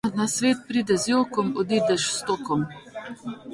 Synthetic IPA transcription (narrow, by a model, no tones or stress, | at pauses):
nasʋeːt̪̚pɾiːd̪ɛzjoːkɔmɔd̪iːd̪ɛʃst̪oːkɔm